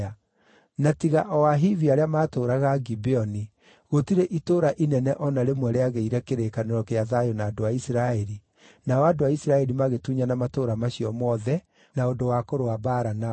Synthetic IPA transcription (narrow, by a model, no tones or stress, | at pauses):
a | natiɣaʔɔwaɦiviaɾeamaːtoːɾaɣaɡibeɔni | ɣotiɾeʔitoːɾaʔinɛnɛʔɔnaɾemwɛɾeaɣeiɾɛkeɾekaneɾɔkeaðajɔnaːdoaisɾaɛɾi | naɔadoaisiɾaɛɾimaɣetuɲanamatoːɾamaɕiɔmɔðɛ | naondowakoɾoabaɾana